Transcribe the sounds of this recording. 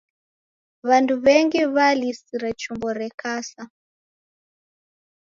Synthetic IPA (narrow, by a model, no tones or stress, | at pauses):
βanduβɛŋɡiβalisiɾat͡ʃumbɔɾɛkasa